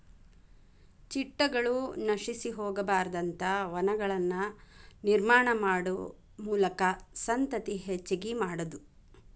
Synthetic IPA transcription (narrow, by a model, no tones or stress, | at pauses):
t͡ʃiʈːɐɡɐɭunɐʃisiɦɔːɡɐbaːɾɐd̪ɐnt̪ɐʋɐnɐɡɐɭɐnːɐniɾmaːɳɐmaːɽu | muːlɐkɐsɐnt̪ɐt̪iɦet͡ʃːiɡimaːɽɐd̪u